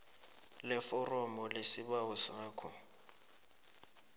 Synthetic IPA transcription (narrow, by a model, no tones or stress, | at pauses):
lɛfɔrɔmɔlesiɓawɔsaːkʰɔ